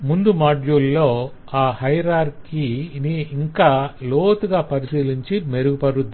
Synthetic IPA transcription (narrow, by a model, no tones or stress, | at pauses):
mund̪umaːɖjuːlːoː | aːhɐjɾaːɾkiniːŋkaːloːt̪uɡaːpɐɾisiːliɲt͡ʃime̞ɾuɡupɐɾud̪ːi